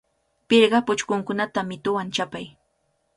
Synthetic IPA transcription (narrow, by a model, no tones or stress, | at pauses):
pɪɾɢɑpʊt͡ʃkʊŋkʊnat̪amɪt̪ʊwant͡ʃapaj